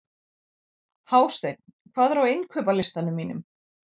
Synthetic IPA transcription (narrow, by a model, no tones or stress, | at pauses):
haːwst̪ejt̪̚n̥kʰv̥aːðɾawejnkʰœːpalɪst̪anʏmːiːnʏ̰m